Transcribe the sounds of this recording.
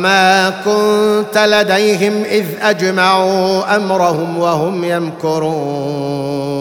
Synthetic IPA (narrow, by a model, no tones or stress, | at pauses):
maːkʊnt̪alad̪ajɦɪmʔɪðʔad͡ʒmaʕuːʔamɾahʊmwahʊmjankʊɾuːn